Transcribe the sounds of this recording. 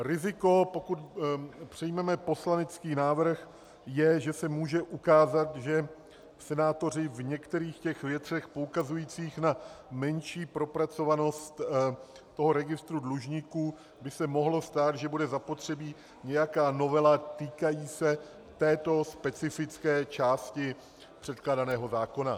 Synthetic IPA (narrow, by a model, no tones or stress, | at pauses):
ɾɪzɪko̞po̞kut̪pr̝̥ɛjmɛmɛpo̞slanɛt͡skiːnaːvr̩x | jɛʒɛsɛmuːʒɛʔukaːzat̪ʒɛ | fsɛnaːt̪o̞r̝ɪvɲɛkt̪ɛɾiːxcɛxvjɛt̪r̥ɛxpoukazujiːt͡siːxnamɛnʃiːpɾo̞pɾat͡so̞vano̞st̪ː | o̞ɦo̞ɾɛɡɪst̪ɾudluʒɲiːkuː | bɪsɛmo̞ɦlo̞st̪aːt̪ʒɛbudɛzapo̞t̪r̝̥ɛbiː | ɲɛjakaːno̞vɛlat̪iːkajiːsɛ | t̪ɛːt̪o̞spɛt͡sɪfɪt͡skɛːt͡ʃaːscɪ | pr̝̥ɛt̪̚klaːdanɛːɦo̞zaːko̞na